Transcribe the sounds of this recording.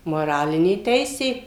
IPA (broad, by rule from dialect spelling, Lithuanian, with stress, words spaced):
moːˈrɑːlʲɪnʲeː ˈtʲɛɪsʲeː